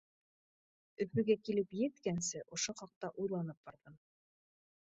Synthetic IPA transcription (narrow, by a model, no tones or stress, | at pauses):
ɵ̆fɵ̆ɡækilɘpjɘ̆t̪kænsɘʔŏʃoχɑq̚t̪ɑʔujlˠɑnɤp̚bɑɾðɤn